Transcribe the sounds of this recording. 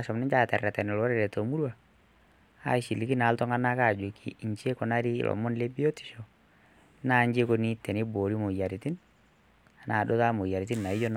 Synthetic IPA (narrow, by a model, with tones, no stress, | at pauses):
a˨ʃɔ˨mnɪ˦ɲt͡ʃa˦tɛ˨rɛ˨tɛ˨nɪ˨lɔ˦ɾɛ˦˨ɾɛ˨to˨mu˦ɾwa˨ | a̰˦ʃi˨li˦ki˦na˨˦ltɔ˦ŋa˦na˦ka˦˨d͡ʒʊ˨kʰi˨ɲt͡ʃe˦kɔ˨na˦ɾi˦ɪ̰˨lʔɔ̰˨mʊ˦nle˦bi˦o˦ti̥˨ʃo˨˦ | na˦ɲd͡ʒe˦ko˦ni˦tɛ˨nɪ˦boː˨ɾi˦mo˨ja˨ɾɪ˨tɪ˦n | a˨naː˨do˦ta˦mo˨ja˨ɾɪ˨tɪ˦nna˨ɪ˦jo˦n